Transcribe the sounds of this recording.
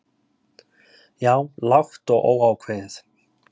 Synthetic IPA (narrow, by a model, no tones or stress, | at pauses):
jaːwlaxt̪ɔɣʔoːwawkʰveθ